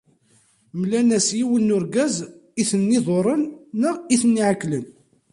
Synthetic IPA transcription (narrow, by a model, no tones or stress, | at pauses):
mlænæsjiwənːʊɾɡæziθənːɪðˤoɾˤənːəiθnːiʕakːlən